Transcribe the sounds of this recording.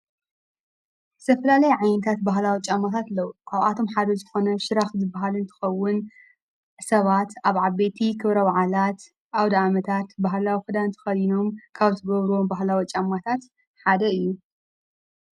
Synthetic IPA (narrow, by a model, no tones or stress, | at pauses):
st̪ʰɐfɐlalɐjʕajnɐt̪ʰat̪̚baɦlawit͡ʃʼamːat̪ʰat̪lɐwkʰaβat̪ʰo̞mħad̪ɐzɨxo̞nɐʃɨɾaxzɨbaɦalɨnt̪ʰɨ̥xɐwːʊn | sɐβat̪aβʕaβe̞t̪ʰikʰɨβɾɐwaʕalat̪ | ʔawd̪amɐt̪ʰat̪baɦlawixɨd̪ant̪ʰɐ̥xɐjino̞mkʰaβt̪ʰɨɡɐβɾuwombaɦlawit͡ʃʼamat̪ʰat̪ | ħad̪ɐɨjːu